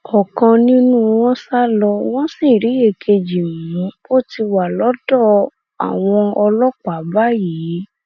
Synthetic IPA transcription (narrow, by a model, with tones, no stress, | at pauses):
ɔ˨kã˧nĩ˦nũ˦w̃ɔ̃˦sa˦lɔ˧w̃ɔ̃˦sĩ˦˨ɾi˨˦e˧˨kʰe˧d͡ʒi˨mũ˨˦ | o˦˨ti˧wa˨lɔ˨˦dɔ˦˨ | a̰˨w̃ɔ̃˧ɔ˧lɔ˦k͡pa˨˦ba˦ji˨˦